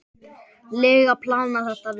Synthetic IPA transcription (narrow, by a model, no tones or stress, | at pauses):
lɛːɣapʰlawnaθɛht̪av